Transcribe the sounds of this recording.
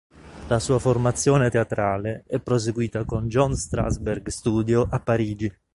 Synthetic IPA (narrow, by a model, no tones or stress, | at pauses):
lasuːaformat̪sːjɔːnet̪eat̪ɾaːleɛpːɾos̬eɡwiːt̪akond͡ʒɔnst̪ɾa̰zbɛrɡst̪uːd̪joʔapːaɾiːd͡ʒi